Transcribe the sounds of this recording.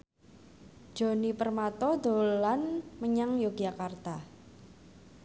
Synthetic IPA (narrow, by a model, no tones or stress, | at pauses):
d͡ʒ̥o̤nipərmat̪ɔd̪olanməɲaŋjoɡ̥jakart̪a